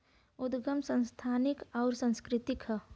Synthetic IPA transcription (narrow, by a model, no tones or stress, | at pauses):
ʊd̪ɡəmsə̃nst̪ʰaːnɪkɔːɾsə̃nskɾɪt̪ɪkɦ